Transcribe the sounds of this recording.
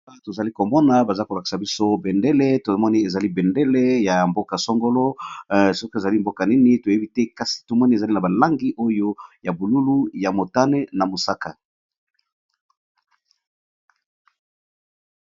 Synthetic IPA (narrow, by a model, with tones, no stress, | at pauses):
a˦to˨za˨li˦ko˨mɔ˦na˨ba˨za˦ko˨la˨ki̥˨sa˨bi˦so˦bɛ˨nde˦le˦to˨mɔ˦ni˦e˨za˨li˦bɛ˨nde˦le˦ja˨mbo˦ka˨so˦ŋɡo˦lo˦sɔ˦ko˦˨e˨za˨li˦mbo˦ka˨ni˦ni˦to˨je˦bi˦tɛ˦ka˦si̥˨to˨mɔ˦ni˦e˨za˨li˦na˨ba˨la˦ŋɡi˦ʔo˦jo˦ja˨bu˨lu˦lu˦ja˨mo˨ta˦ne˦na˨mo˨sa˦ka˨